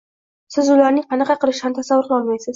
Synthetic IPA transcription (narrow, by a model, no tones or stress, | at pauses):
sɪzʊlaɾnɪŋqʰɑnɑqʰɑqɨlˠɪʃɪhamt̪ʰasavːʊɾqlˠɒlˠmajsɪz